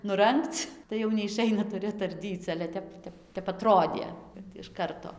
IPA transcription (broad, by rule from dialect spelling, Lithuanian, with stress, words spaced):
nʊˈrɐŋkt͡s tɐɪ jɛʊ nʲɛɪˈʃɐɪnɐ tʊˈrʲɪ ɐtɐrʲˈdʲiːt͡s ˈɑːlʲɛ ˈtʲɛp ˈtʲɛp tʲɛp ɐˈtroːdʲeː kɐt ɪʃ ˈkɐrtoː